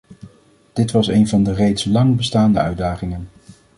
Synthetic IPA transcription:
d̥ɪtʋɑsejnvɑndərejtslɑŋbəstaːndəœɥdaːχɪŋən

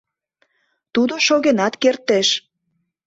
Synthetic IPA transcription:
t̪ud̪oʃoɣenɑt̪kert̪eʃ

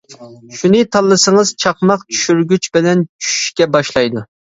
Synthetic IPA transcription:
ʃunɨt̪ʰɑlˠːɨsɨŋəz̥t͡ʃʰɑqmɑqt͡ʃʰy̥ʃyɾɡʲyt͡ʃbɪlɛnt͡ʃʰy̥ʃy̥ʃkʲɛbɑʃlˠɑjd̪u

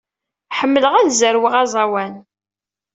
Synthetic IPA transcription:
ħəmːələʁæðzəɾwiʁɑzˤɑwæn

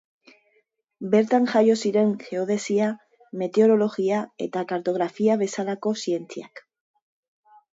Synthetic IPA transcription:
be̞ɾt̪aŋʝajo̞siɾe̞ŋxe̞oð̞e̞sia | me̞t̪eo̞ɾo̞lo̞ɣiae̞̰t̪akaɾt̪o̞ɣɾafiaβ̞e̞salako̞sie̞nt͡sia̰k

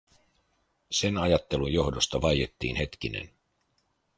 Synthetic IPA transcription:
se̞nɑjɑt̪ːe̞lujjo̞ɦdo̞st̪ɑʋɑje̞t̪ːḭːnhe̞t̪k̟ine̞̰n

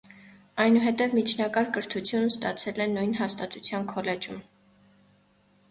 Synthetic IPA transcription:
ɑjnuɦɛt̪ɛvmit͡ʃʰnɑkɑɾkəɾt̪ʰut͡sʰjunst̪ɑt͡sʰɛlɛnujnɦɑst̪ɑt̪ut͡sʰjɑnkʰɔlɛd͡ʒum

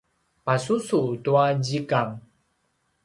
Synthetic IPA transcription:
pasusutuad͡ʑikaŋ

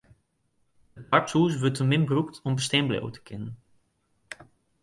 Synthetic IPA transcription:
dəpaɹtsuːsʋøtəmɪmbruktɔmbəstɛmblḛwtʰə̥kʰɪnən

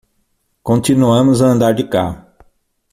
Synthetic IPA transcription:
kõnt͡ʃ̪inuɐ̃mʊzɐɐ̃nd̪aɾd͡ʒɪka̰hʊ

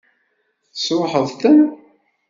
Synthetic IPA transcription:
θsɾˤħəðˤθən

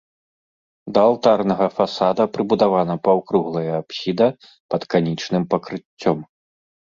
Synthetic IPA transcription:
d̪ɐaːlˠt̪arnɐɣɐfasad̪ɐpɾɨbud̪avanɐpawkɾuɣlˠɐjɐːpsʲid̪ɐ | pɐt̪kanʲit͡ʂnɨmpɐkɾɨt͡sʲːɔm

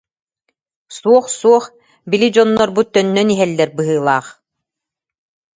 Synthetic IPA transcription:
suɔχsuɔχ | bilid͡ʑɔnːɔɾbut̪ːœnːœniɦɛlːɛɾbɯɦɯːlˠaːχ

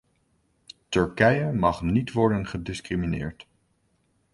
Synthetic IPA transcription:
tɵɹkɛjəmɑχnitʋɔɹdənχədɪskriminɪ̰ːɹt

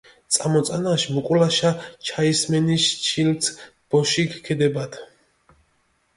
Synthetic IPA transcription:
t̪sʼamɔt̪sʼanaʃmukʼulaʃat͡ʃʰaismɛniʃt͡ʃʰilt̪ʰ | b̥ɔʃikʰkʰɛd̪ɛbat̪ʰ

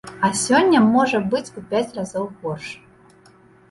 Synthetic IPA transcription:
ɐsʲɔnʲːɐmɔʐɐbɨt͡sʲpɔpʲat͡sʲrazɔwɣɔrʂ

